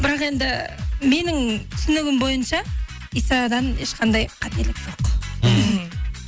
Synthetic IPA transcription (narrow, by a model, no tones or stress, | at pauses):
bɪɾɑqe̞nd̪ɪme̞nɪŋt̪ʰʏ̥sɪnɪɡʲɪmbo̞jənʃɑ | ijsɑd̪ɑne̞ʃqɑnd̪ɑjqʰɑt̪e̞lɪkʒ̥oq